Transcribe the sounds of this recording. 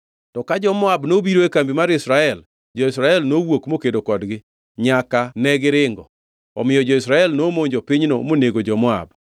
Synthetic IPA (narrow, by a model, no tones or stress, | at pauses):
tɔkad͡ʒɔmɔabnobiɾoekambimaɾɪsɾaɛl | d͡ʒɔɪsɾaɛlnowokmokedokɔdɡɪ | ɲakanɛɡɪɾɪŋɡɔ̰ | ɔ̰mɪjɔd͡ʒɔɪsɾaɛlnomoɲd͡ʒopɪɲno̰moneɡod͡ʒɔmɔa̰b